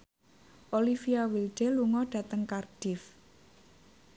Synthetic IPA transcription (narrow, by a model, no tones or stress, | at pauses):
ʔolifiawilɖ̥eluŋɔɖ̥ä̤t̪əŋkard̥ɪf